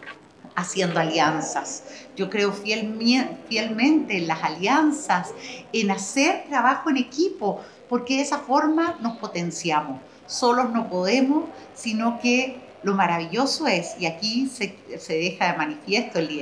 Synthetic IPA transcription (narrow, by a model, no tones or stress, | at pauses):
asje̞nd̪oaljansasɟ͡ʝo̞kɾe̞ofjelmfjelmẽ̞nt̪eːnlasaljansasenaseɾt̪ɾaβaxoene̞kipo̞ | po̞ɾkeðesafo̞ɾmano̞spo̞t̪e̞nsjamos | so̞lo̞zno̞po̞ðemosːino̞ke | lo̞maɾaβ̞iʎo̞soe̞siakisese̞ðexaðemanifje̞st̪oeli